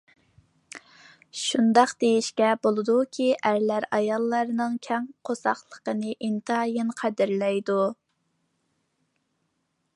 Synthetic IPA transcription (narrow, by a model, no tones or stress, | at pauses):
ʃund̪ɑqd̪̥ejiʃkʲɛbolˠɨd̪ukʲʰiʔæɾlæɾɑjɑlˠːɑɾnɨŋkʲʰɛŋqʰosɑχlˠə̥qənɨʔint̪ʰɨɑjɨnqʰæd̪ɪɾlɛjd̪u